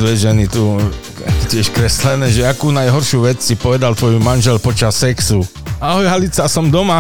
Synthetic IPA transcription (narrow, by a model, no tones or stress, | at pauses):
d̪ʋɛʒɛnit̪u | akcɪɛʃkɾɛslɛnɛːʒɛakuːnajɦɔɾʃuʋɛt͡ssipɔʋɛd̪alt̪ʋɔjumanʒɛlpɔt͡ʃasːɛksu | aɦɔjɦalit͡sasɔmd̪ɔma